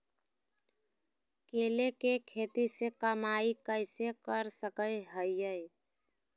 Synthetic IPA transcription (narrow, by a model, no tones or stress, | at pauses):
keːlekekʰeːt̪isekəmaikəɪsekəɾsəkəjɦəjəj